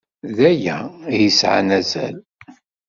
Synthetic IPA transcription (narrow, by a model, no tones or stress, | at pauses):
ðæjæjəsʕa̰næzæ̰l